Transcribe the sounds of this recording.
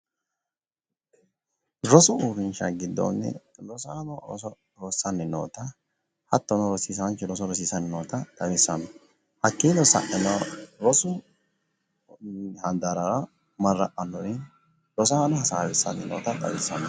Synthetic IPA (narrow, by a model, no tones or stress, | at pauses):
ɾɔsʊuɾɪnʃɐɡɪd̪ːo̰nːɛ̰ɾɔsaːnɔɾɔ̰sɔ | ɾɔsːɐnːɪno̰ːt̪ɐ | hɐt̪ːɔnɔɾɔsiːsɐnt͡ʃːɛɾɔsɔɾɔsiːsɐnːɪnoːt̪ɐt̪ʼɐwɪsːɐnːɔ | hɐkːiːlɔsɐ̰ʔɛnɐɾɔsʊ | hɐnd̪ɐɾɐɾɐ | mɐrːɐʔɐnːɔnɪn | ɾɔs̬aːnɔhɐsaːwɛsːɐ̰nːɪno̰ːt̪ɐt̪ʼɐ̰wɪsːɐnːɔ